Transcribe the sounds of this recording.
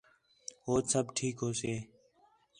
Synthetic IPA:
ɦoːsəbʈʰiːkɦoːseː

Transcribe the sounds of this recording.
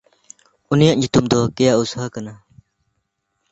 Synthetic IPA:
unijaʔɲut̪umd̪ɔkɛjaʔusɦakana

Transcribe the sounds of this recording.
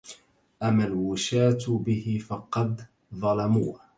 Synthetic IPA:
ʔamːalwʊʃaːt̪bɪhɪfɑqɑd̪ | ðˤɑlɑmuːh

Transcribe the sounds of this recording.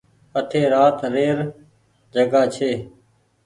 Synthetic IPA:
ət̪ʰeːɾaːt̪ɾeːɾ | d͡ʒəɡaːt͡ʃʰeː

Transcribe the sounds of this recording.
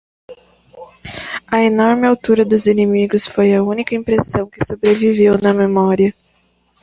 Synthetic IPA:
ɐenɔɾmɪawt̪uɾɐd̪ʊzinemiɡʊsfojɐũnikɐĩpɾesɐ̃w̃kɪsobɾevivewnɐmemɔɾiɐ

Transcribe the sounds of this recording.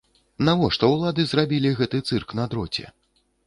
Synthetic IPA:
navɔʂt̪ɔwlˠad̪ɨzrabʲilʲiɣɛt̪ɨt̪sɨrknɐd̪ɾɔt͡sʲɛ̰

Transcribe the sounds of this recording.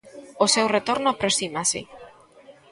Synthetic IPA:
osewret̪oɾnoapɾosimasḛ

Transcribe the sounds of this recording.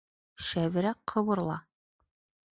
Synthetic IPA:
ʃæβɘ̆ɾæqʰːɤ̆βɤ̆ɾlˠɑ̰

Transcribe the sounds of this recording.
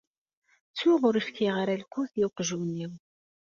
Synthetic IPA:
t͡sːʊʁʊɾifkiʁɾalkʷːuθjuqʒunːiw

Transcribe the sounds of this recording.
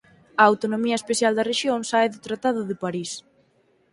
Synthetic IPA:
ɐawt̪onomiɐespeθjald̪ɐreʃjoŋsaeðʊt̪ɾat̪aðʊðɪpaɾis

